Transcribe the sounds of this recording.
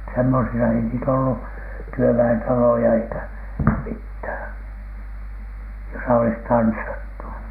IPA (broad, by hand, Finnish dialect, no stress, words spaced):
semːosisɑ ei niːtæ olːu tyøʋæentɑlojɑ eikæ mithæˑn josɑ olis tɑnsːɑtːu